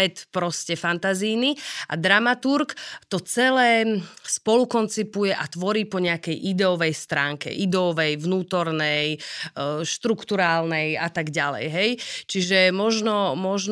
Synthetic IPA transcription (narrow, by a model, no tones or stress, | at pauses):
ɛt̪pɾɔscɛfant̪aziːniʔa̰d̪ɾamat̪uɾkt̪ɔt͡sɛlɛːspɔlukɔnt͡sipujɛʔat̪ʋɔɾiːpɔɲɛakɛjʔid̪ɛɔʋɛjst̪ɾaːŋkɛ̰ʔid̪ɛɔʋɛjʋnuːt̪ɔɾnɛj | ʃt̪ɾukt̪uɾaːlnɛjat̪aɡɟalɛ̰jɦɛjt͡ʃiʒɛmɔʒnɔmɔʒn